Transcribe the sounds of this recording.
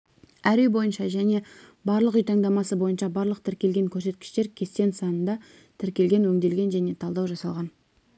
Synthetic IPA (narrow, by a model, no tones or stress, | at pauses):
æɾejbo̞jənʃɑʒæne̞bɑɾlˠəqʏjt̪ʰɑŋd̪ɑmɑsəbo̞jənʃɑbɑɾlˠəq̚t̪ʰɪɾkʲe̞lɡʲe̞ŋkʲʰɵɾs̬e̞t̪kʲɪ̥ʃt̪e̞ɾkʲʰe̞st̪e̞nsɑnənd̪ɑ | t̪ʰɪɾkʲe̞lɡʲe̞nwɵŋd̪e̞lɡʲe̞nʒæne̞t̪ʰɑlˠd̪ɑwʒɑsɑlˠʁɑn